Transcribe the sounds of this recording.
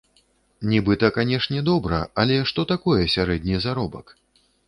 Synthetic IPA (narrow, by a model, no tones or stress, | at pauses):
nʲibɨt̪ɐkanʲɛʂnʲɛd̪ɔbɾɐ̰alʲɛʂt̪ɔt̪akɔjɛsʲaɾɛd̪ʲnʲizaɾɔbɐk